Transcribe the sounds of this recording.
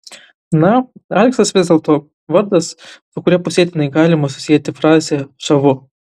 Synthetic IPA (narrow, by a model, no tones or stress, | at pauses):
nɐɐlʲksɐsʋʲɪzd̪ʲeɛlˠt̪oː | ʋɐɾd̪ɐssʊkʊɾʲiɛpʊsʲiɛt̪ʲɪjɪnɐɪɡɑːlʲɪmɐsʊ̥sʲijɛt̪ʲɪfɾɑːzʲesɐʋʊ